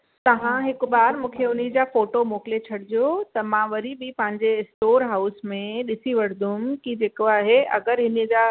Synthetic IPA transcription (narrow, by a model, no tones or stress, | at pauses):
t̪ɐʋ̤ãɦɪkʊɓaːɾmũːkʰeʊnid͡ʑaːfoːʈomoːkɪlet͡ɕʰɐɽɪd͡ʑijot̪ɐmãʋɐɾibipɐ̃ɦɪ̃ɲd͡ʑeɪsʈoːɾɦaːʊsmẽɗɪsiʋɐɽ̤d̪ʱʊ̃mkid͡ʑeːkoaːɦeɐ̰ɡəɾɦɪnəd͡ʑaː